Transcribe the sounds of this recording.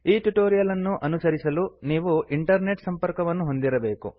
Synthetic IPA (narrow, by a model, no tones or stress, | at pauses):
iːʈuʈoːɾijɐlɐnːuʔɐnusɐɾisɐluniːʋuʔiɳʈɐɾne̞ʈsɐmpɐɾkɐʋɐnːuɦo̞nd̪iɾɐbe̞ːkṵ